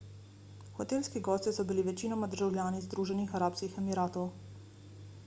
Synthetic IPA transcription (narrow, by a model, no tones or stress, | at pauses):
xɔt̪eːlskiɡɔːst̪isɔbiliʋɛt͡ʃiːnɔmad̪əɾʒawljaːnizd̪ɾuːʒɛnixaɾaːpskixɛmiɾaːt̪ɔw